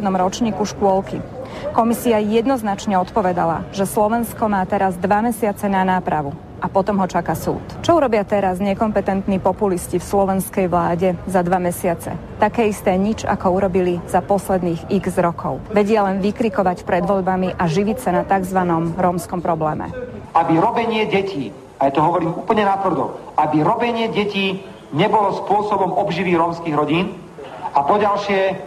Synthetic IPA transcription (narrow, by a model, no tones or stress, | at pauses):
d̪nɔmɾɔt͡ʃɲiːkuʃkʊɔlki | kɔmisiajɛd̪nɔznat͡ʃɲɛɔt̪pɔʋɛd̪ala̰ʒɛslɔʋɛnskɔmaːt̪ɛɾazd̪ʋamɛsɪat͡sɛnanaːpɾaʋu | ʔapɔt̪ɔmɦɔt͡ʃakasṵːt̪t͡ʃɔuɾɔbɪat̪ɛɾazɲɛkɔmpɛt̪ɛnt̪niːpɔpuliscifslɔʋɛnskɛjʋlaːɟɛzad̪ʋamɛsɪat͡sɛ̰t̪akɛːist̪ɛːɲid͡ʒa̰kɔuɾɔbiliz̥apɔslɛd̪niːɣiɡzɾɔkʰɔʊʋɛɟɪɛlɛnʋikɾikɔʋacpɾɛd̪ʋɔʎbamiʔaʒiʋicsanat̪aɡzʋanɔmɾɔːmskɔmpɾɔblɛːmɛ̰abiɾɔbɛɲɪɛɟɛciː | ajat̪ɔɦɔʋɔɾiːmuːpl̩ɲɛnat̪ʋr̩d̪ɔ̰abiɾɔbɛɲɪɛɟɛciː | ɲɛbɔlɔspʊɔsɔbɔmɔbʒiʋiːɾɔːmskiːɣɾɔɟiːn | apɔɟalʃɪɛ